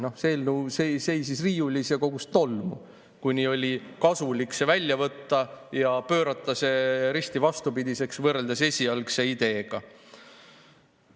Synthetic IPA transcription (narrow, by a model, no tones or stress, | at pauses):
no̞hse̞ːlnuːsese̞jsisriːjulʲisɑko̞ɡ̥ust̪o̞lmṵ | kunʲio̞lʲikɑsulikse̞vælʲːjɑvɤt̪ːɑjɑpø̞ːɾɑt̪ːˑɑse̞ɾist̪ivɑst̪upid̪̥ise̞ksvɤrːeld̪̥ɑse̞sʲiɑlkse̞id̪̥e̞ːɡ̥ɑ